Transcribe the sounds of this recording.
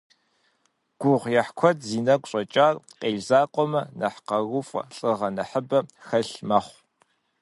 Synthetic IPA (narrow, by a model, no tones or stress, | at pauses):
ɡ̥ʷʊʁʷjɛħkʷʰɔtʰziːnɐɡʷʼɕʼɔt͡ʃʼaːrqeːɮzaːqʷʼɔmɐnɐħqɐɣʊfʼɐ̰ɬʼɨʁɐnɐħəbɐxɐɬmɐχʷ